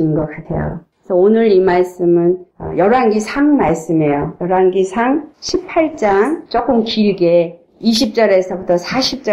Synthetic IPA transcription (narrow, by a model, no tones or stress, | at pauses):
inɡʌk͈atʰe̞̰jo̰ | esʰʌonɯɾimaɭs͈ɯmɯnʌ̰jʌɾanɡisʰaŋmaɭs͈ɯme̞jojʌɾaŋɡisʰaŋɕʰipʰaɭt͡ɕ͈aŋt͡ɕ͈ok͈ɯmkiɭɡe | iɕʰip̚t͡ɕ͈ʌɾesʰʌbutʰʌsʰaɕʰip̚t͡ɕ͈ʌ